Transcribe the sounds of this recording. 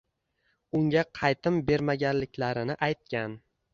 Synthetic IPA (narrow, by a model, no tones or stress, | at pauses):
ʊŋɡʲaqʰɑjt̪ɪmbe̞ɾmaɡʲanlɪkʲlaɾɪnɪʔajt̪̚kʲan